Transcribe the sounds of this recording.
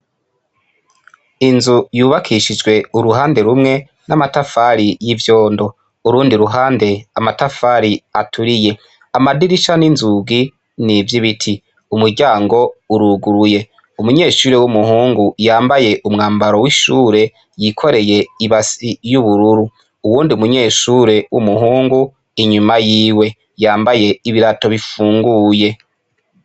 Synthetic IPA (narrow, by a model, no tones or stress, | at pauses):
inzujuːβakʰiʃid͡ʒɡwe̞uɾuɦaːnde̞ɾumŋe̞ | namatafaɾijivjo̞ːndo̞ | uɾuːndiɾuɦaːnde̞amatafaːɾiatʰuɾije̞ | amadiɾiʃaninzuɡi | nivjiβitʰi | umuɾɟaːŋɡo̞uɾuɡuɾuje̞ | umuɲe̞ːʃuːɾe̞wumuhuːŋɡujaːmbaje̞ʔumŋaːmbaɾo̞wiʃuːɾe̞ | jikʰo̞ɾe̞je̞iβasijuβuɾuɾu | uwuːndiumuɲe̞ːʃuɾe̞wṵmuɦuːŋɡu | iɲumajiːwe̞ | jaːmbaje̞iβiɾato̞βifuːŋɡuːje̞